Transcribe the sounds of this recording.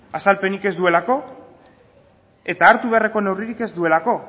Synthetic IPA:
asalpe̞nike̞zd̪ue̞lako̞ | e̞t̪aːɾt̪uβ̞e̞are̞ko̞ne̞wriɾike̞zd̪ue̞lako̞

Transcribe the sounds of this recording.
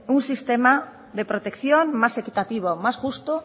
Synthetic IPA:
uŋsist̪ema | depɾot̪ekθjoŋmasekit̪at̪iβ̞omasʝust̪o

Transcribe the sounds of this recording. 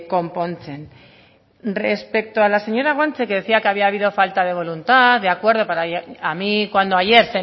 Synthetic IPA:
ko̞mpo̞nt͡sen | respe̞k̚t̪oalase̞ɲo̞ɾaɣwant͡se̞keðe̞θiake̞aβ̞iaːβ̞iðo̞falt̪að̞e̞β̞o̞lunt̪aðeakwe̞ɾð̞o̞paɾaamikwand̪oaʝe̞ɾse

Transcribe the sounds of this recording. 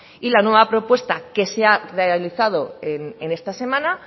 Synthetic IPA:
ilanwe̞βapɾo̞pwe̞st̪ake̞searealiθað̞o̞enene̞st̪ase̞mãna

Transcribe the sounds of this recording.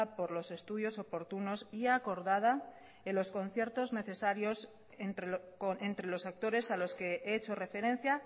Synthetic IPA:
po̞ɾlo̞se̞st̪uðjo̞so̞po̞ɾt̪uno̞siako̞ɾðað̞a | elo̞sko̞n̟θje̞ɾt̪o̞zne̞θe̞saɾjo̞s | ent̪ɾekoent̪ɾelo̞sak̚t̪o̞ɾe̞salo̞ske̞eet͡ʃo̞re̞fe̞ɾẽ̞n̟θja

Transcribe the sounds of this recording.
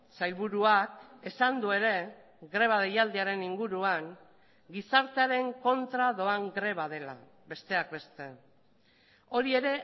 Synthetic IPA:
sajlβuɾuake̞sand̪ue̞ɾe̞ | ɣɾe̞β̞aðejald̪eaɾe̞niŋɡuɾuaŋ | ɡisaɾt̪eaɾe̞ŋko̞nt̪ɾaðo̞aŋɡɾe̞βað̞e̞la̰ | be̞st̪e̞ak̚be̞st̪e̞ | o̞ɾie̞ɾe̞

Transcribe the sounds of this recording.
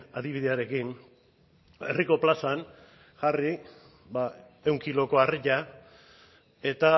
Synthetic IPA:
aðiβ̞iðe̞aɾe̞kin | e̞̰riko̞plasan | ʝari | ba | e̞wŋkilo̞ko̞ariʎa | e̞t̪a

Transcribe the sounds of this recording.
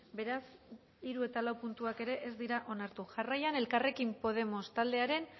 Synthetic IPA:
be̞ɾas | iɾue̞t̪alawpunt̪uake̞ɾe̞ʔezd̪iɾaʔo̞naɾt̪uʝarajane̞lkare̞kimpo̞ð̞e̞mo̞st̪ald̪e̞aɾe̞n

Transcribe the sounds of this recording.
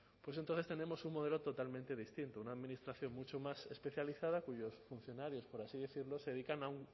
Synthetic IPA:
pwesent̪õθest̪e̞nẽmosuŋmoð̞elot̪ot̪almẽnt̪eðist̪int̪ounaːðminist̪ɾaθjoŋmut͡ʃomasespeθjaliθað̞akuʝosfun̟θjo̞naɾjospoɾasiðiθiɾloseðeðikanauŋ

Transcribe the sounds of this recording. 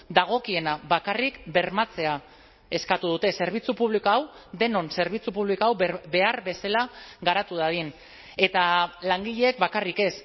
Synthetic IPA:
d̪aɣ̞o̞kie̞naβakarikbe̞ɾmat͡se̞a | e̞skat̪uð̞ut̪e̞se̞ɾβ̞it͡supuβ̞likoawd̪e̞no̞nse̞ɾβ̞it͡supuβ̞likoawbe̞aɾβe̞selaɣaɾat̪uðaðin | e̞t̪alaŋɡiʎe̞ːk̚bakarike̞s

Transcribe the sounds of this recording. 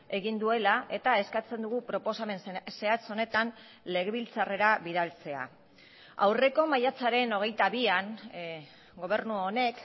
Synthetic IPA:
e̞ɣind̪ue̞laʔe̞t̪ae̞skat͡se̞nd̪uɣupɾo̞po̞same̞nse̞at͡so̞ne̞t̪an | le̞ɣe̞βilt͡sare̞ɾaβiðalt͡se̞a̰ | a̰wre̞ko̞majat͡saɾe̞no̞ɣ̞e̞jt̪aβiaŋ | ɡo̞β̞e̞rnuone̞k

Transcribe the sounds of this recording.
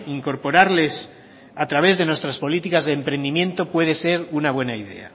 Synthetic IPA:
iŋko̞ɾpo̞ɾaɾle̞s | at̪ɾaβ̞e̞zðe̞nwest̪ɾaspo̞lit̪ikazðeːmpɾe̞nd̪imje̞nt̪o̞pwe̞ðe̞se̞ɾunaβ̞we̞naiðe̞̰a̰

